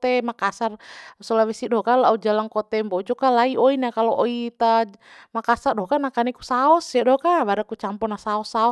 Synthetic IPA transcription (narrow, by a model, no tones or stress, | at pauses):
t̪ɛmakasarsɔlawɛsidɔkalaud͡ʒalaŋkɔt̪ɛmbɔt͡ʃɔkalaioinakalɔʔoit̪amakasardɔhkanakanikusaɔsadɔhkabaɾakut͡ʃampɔnasaɔsaɔ